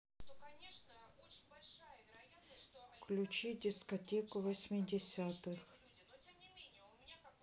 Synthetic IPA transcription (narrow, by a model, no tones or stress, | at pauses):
fklʲʊt͡ɕidʲɪskɐtʲekʊvɐsʲmʲɪdʲɪsʲat̪ɨx